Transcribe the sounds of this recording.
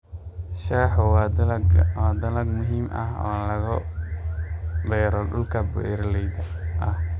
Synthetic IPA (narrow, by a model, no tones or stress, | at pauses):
ʃaːħʊwɑd̪ɡwɑːd̪ɐlɐɡmʊɦiːmʔɐ̰ɦɔ̰ːlɐɣɔ | bɛːɾɔɖʊlkʰɐbɛ̰ːɾlɛjd̪ɐ | ʔɐh